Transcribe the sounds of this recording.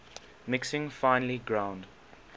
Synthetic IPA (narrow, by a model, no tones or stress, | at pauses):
mɪksɪ̃ŋfãɪ̃nəliɡɹãʊ̃nd